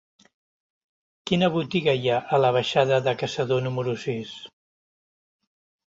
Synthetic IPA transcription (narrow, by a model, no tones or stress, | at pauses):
kinəβut̪iɣəjaʔələβ̞əʃaðəðəkəsəðonuməɾusis